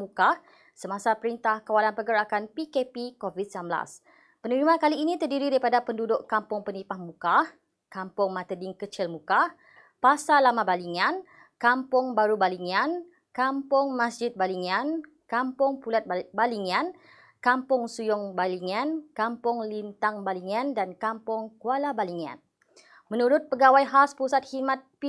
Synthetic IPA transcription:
mukah | səmãsapəɾint̪ahkawalanpəɡəɾakanpikepikovit̪̚sənambəla̰s | pənəɾimãkaliːnĩt̪ərdiɾidaɾipadapəndudʊʔkampʊŋpənipahmũkah | kampʊŋmãt̪ədɪŋkət͡ʃɪlmũkah | pasalamãbaliŋãn | kampʊŋbaɾubaliŋan | kampʊŋmasd͡ʒɪt̪̚baliŋan | kampʊŋpulat̪̚baliŋãn | kampʊŋsujʊŋbaliŋankampʊŋlint̪aŋbaliŋãndankampʊŋkualabaliŋã̰n | mənuɾʊt̪̚pəɡawajɦaspusat̪̚himãt̪̚p

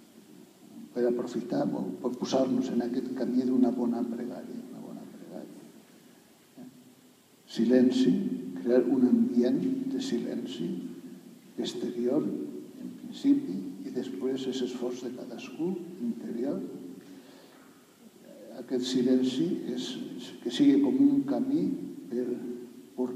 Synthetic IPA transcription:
peɾapɾofit̪aɾβo̰poɾpuzaɾnuzenaket̪kamiðunaβɔnapɾeɣa̰ɾja̰unaβɔ̰napɾeɣa̰ɾja | silɛnsikɾeaɾunambjend̪esilɛ̰nsi | est̪eɾjoɾempɾinsipiːðespwezesesfɔɾzðekaðaskuint̪eɾjoɾ | akɛt̪silɛnsieskesiɣekomuŋkamipeɾpoɾ

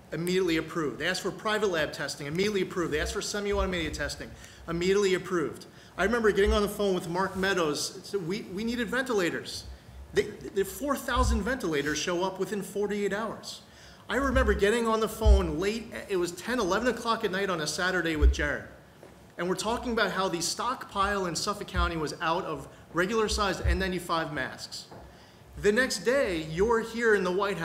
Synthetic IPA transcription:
ɨmiɾiɨtˡliɨpʰɹ̥ʉvd̪ðeɪæsfə˞pʰɹ̥aɪvətˡlæb̚tʰɛstɪ̃ŋɨmiɾiəɨtˡliɨpʰɹ̥ʉvdðeɪæsfə˞sɛ̃mjə̃ɾɨmiɾiɨtʰɛstɪ̃ŋ | əmiɾiɨətˡliɨpʰɹ̥ʉvd̥ | aɪɹɨmɛ̃mbə˞ɡɛɾɪ̃ŋə̃nðəfõʊ̃nwɨðmɑɹk̚mɛɾoʊz̥wiwiniɾɨdvɛ̃ntəleɪɾə˞z̥ | ðeɪɨfɔɹθaʊzɨ̃ndvɛ̃ntəleɪɾə˞z̥ʃoʊʌpwɨθɪ̃nfɔɹɾieɪɾaʊə̰˞z̥ | aɪɹɨmɛ̃mbə˞ɡɛɾɪ̃ŋə̃nðəfõʊ̃nleɪɾɪt̚wʌz̥tʰɛ̃nəlɛvə̃nɨkʰl̥ɑkɨt̚ⁿnaɪɾn̩ɨsæɾə˞ɾeɪwɨðd͡ʒɛɹɨ̰ɾ | ɨ̃nwɨɹtʰɔkɪ̃ŋəbaʊt̚ɦaʊðɨstɑkpʰaɪlˠɨ̃nsʌfɨkʰãʊ̃ɾ̃iwʌzaʊɾʌv | ɹɛɡjl̩ˠə˞saɪzdɨ̰̃nãɪ̃tifaɪvmæ̰sks | ðɨnɛksd̥eɪjə˞hiɹɨ̃nðəwaɪt̚ɦa

